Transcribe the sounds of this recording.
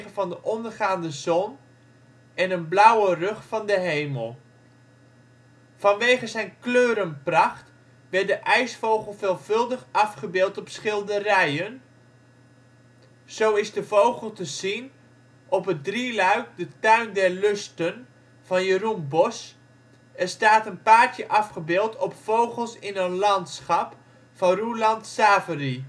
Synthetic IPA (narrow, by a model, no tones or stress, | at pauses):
əvɑndəʔɔndərχaːndəzɔn | ɛnənblʌwərɵχfɑndəɦejməlˠ | fɑnʋejχəzɛjnkløːɾənprɑχt | ʋɛɹt̚dəʔɛjsfowχəlˠvɪːlˠv̥ɵlˠdəχɑfχəbɪːlˠtɔpsχɪlˠdərɛjən | z̥owɪsdəvowχəlˠtəzin | ɔpədrilœɥk̚dətœɥndɛrløstən | v̥ɑnjərumbɔs | ɛrstaːtənpaːrtjəʔɑfχəbɪːlˠtʰɔpfowχəlˠsɪnənlɑntsχɑp | fɑnrulɑntsaːvəri